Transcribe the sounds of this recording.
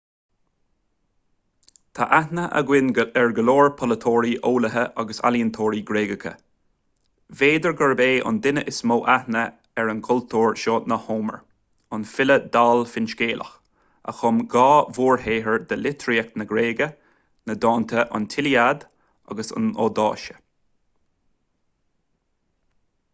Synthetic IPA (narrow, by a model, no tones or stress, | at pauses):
t̪ʰaʔahnəʔə̰ɡwɪnɛɹɡəloːɹpʰɔlət̪ʰoːɹiʔoːləɦəʔaɡəsa̰liənt̪ʰoːɾiɡɾeːɡəkʰə̰ | veːd̪əɹɡəɹbeːʔʊ̰nd̪ɪnəʔɪsmoːʔahnə | ɛɹənkʰʊlt̪ʰuːɹʃoːnəhoːmə̰ɹ | ʊnfɪləd̪aːlfɪnʃɡeːlʔə̰x | ə̰xʊmɡɑːvuːɹheːɦəɹd̪əlɪt̪ʰɾiɛk̚nəɡɾeːɡə | nəd̪ɑːnt̪ʰəʔʊ̰nt̪ʰɪliad̪ | a̰ɡəsʊ̰no̰ːd̪ɑ̰ːʃə̥